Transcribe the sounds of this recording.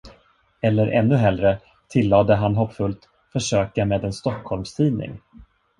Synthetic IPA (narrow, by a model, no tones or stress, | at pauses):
ɛlːəɾʔɛ̰nːɵɦɛld̪ɾə | t̪ʰɪlːɑːd̪əɦanɦɔpːfɵlt̪ | fœʂøːkameːd̪ɛnst̪ɔkʰːhɔlmst̪ʰiːnɪ̰ŋ